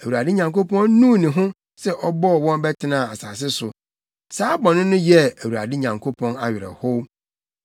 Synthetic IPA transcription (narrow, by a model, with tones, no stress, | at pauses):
æ˨wu˨ɾa˨dɪ˦ɲã˨ŋko˦pɔ̃˦nnũ˦˨nĩ˨ɦʊ̃˦ | sɛ˦ʔɔ˦bɔ˦˨wɔ̃˦nbɛ˦tʰɪ˦nã˨a˨saː˨s̬ɪ˦sʊ˨ | saː˦bɔ̃˨nʊ̃˦nʊ̃˦jɛ˦æ˨wu˨ɾa̰˨dɪ˦ɲã˨ŋkʰo˦pʰɔ̃˦na˨ɥɪ˨ɾɛ̰˨ho˦